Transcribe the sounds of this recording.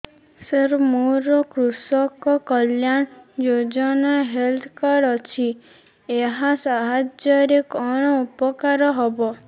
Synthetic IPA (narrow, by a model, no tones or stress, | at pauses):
səɾmuɾɔkɾusɔkɔkɔljaɳd͡ʒod͡ʒɔnaɦelt̪ʰkaɾɔt͡ʃʰi | eɦasaɦad͡ʒjɔɾikɔɽ̃ɔupɔkaɾɔɦɔbɔ